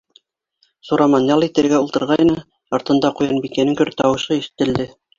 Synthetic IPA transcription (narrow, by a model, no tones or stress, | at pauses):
suɾɑmɑnjɑlˠit̪ɘ̆ɾɡæulˠt̪ɤ̆ɾʁɑjnɤ | ɑɾt̪ɤ̆nd̪ɑqujɑnbikænɘŋkɵ̆ɾt̪ɑwɤ̆ʃɤiʃɘ̥̆t̪ɘ̆ld̪ɘ